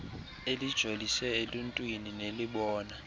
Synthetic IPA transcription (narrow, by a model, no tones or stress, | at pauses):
elid̥ʒ̥ʱolisɛeluntʼwinineliɓɔːna